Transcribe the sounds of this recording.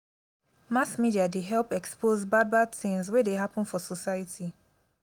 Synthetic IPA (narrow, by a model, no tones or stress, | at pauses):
masmidiadeɦɛlpɛkspozbad̚badθĩŋzwɛdeɦapɔ̃nfɔsɔsaɪjatʰi